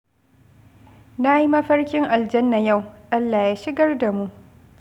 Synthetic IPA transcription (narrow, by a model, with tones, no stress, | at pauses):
na˦ji˦mɐ˦ɸɐ˦rkʲɪ˦ŋʔa˨ld͡ʒɐ˦nːa˨ja˦˨wʔa˦lːaː˨jaː˦ʃɪ˦ɡɐ˦rda˨mu˦˨ʔ